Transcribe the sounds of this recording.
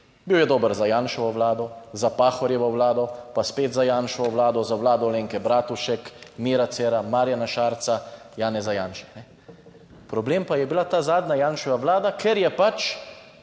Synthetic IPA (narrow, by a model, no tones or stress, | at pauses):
biwjɛd̪oːbəɾzajaːnʃɔʋɔʋlaːd̪ɔzapaːxɔɾjɛʋɔwlaːd̪ɔpaspeːt̪zajaːnʃɔʋɔʋlaːd̪ɔzawlaːd̪ɔleːŋkɛbɾaːt̪uʃɛkmiːɾat̪sɛːɾamaːɾjanaʃaːɾt̪sa | jaːnɛzajaːnʃɛ̥nɛ | pɾɔbleːmpajɛbilat̪aːzaːd̪najaːnʃɔʋaʋlaːd̪akʰɛɾjɛpat͡ʃ